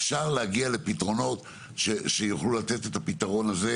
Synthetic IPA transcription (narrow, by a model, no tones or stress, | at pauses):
fʃaʁlehaɡiale̞pitʁo̞no̞t̪ | ʃeʃejuχlulatetet̪apitaʁo̞naze